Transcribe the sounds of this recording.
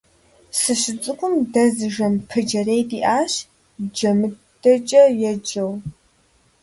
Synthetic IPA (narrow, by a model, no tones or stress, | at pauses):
sɨɕɪt͡sʼɨkʷʼʊmdɐzɨʒɐmpʰɨd͡ʒɐrejdiːʔaːɕ | d͡ʒɐmɨ | d̥ɐt͡ʃʼɐjɛd͡ʒɐw